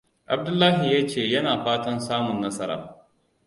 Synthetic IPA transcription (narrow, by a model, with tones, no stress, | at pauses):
ʔa˨b̚dʊ˦lːaː˦ɦi˨jaː˦t͡ʃeː˦˨jɐ˦naː˨ɸaː˦tɐ˦nsaː˦mʊ˨nːɐ˦sɐ˦ɾa̰ː˨